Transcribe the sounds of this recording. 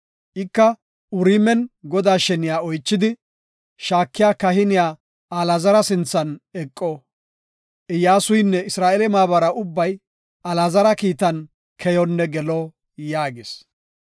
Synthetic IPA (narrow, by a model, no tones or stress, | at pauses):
ʔɪkːɐ | ʊɾiːmɛnɡɔd̪aːʃɛnɪjaːɔjt͡ʃːɪd̪ɪ | ʃaːkːɪjaːkɐhɪnɪjaː | ɐlɐzɐɾɐsɪnt͡sːɐnɛkʼːɔ | ʔɪjaːsʊjnːɛɪsɾaːʔɛlɛmaːbɐɾɐʊbːɐj | ʔɐlazɐɾɐkiːt̪ɐn | kʰɛjɔnːɛɡɛlɔ | jaːɡɪs